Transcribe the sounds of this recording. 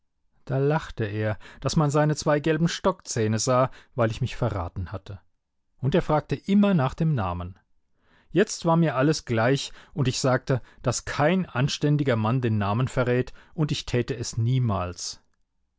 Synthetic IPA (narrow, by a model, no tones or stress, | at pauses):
d̥aːlaχtəeːɐd̥asmanzaɪnət͡sv̥aɪɡɛlbm̩ʃtɔkt͡sɛːnəzaːvaɪlɪçmɪçfɛɐʁa̰ːtn̩hatʰə | ʔʊnteːɐfʁ̥aːk̚təʔɪmɐnaːχd̥eːmna̰ːmən | jɛt͡stv̥aːɐmiːɐʔaləsɡ̥laɪçʔʊntɪçz̥aːk̚təd̥askʰaɪnʔanʃtɛndɪɡɐmandeːnːaːmənfɛɐʁɛːtʔʊntɪçtʰɛːtəɛsniːmaːls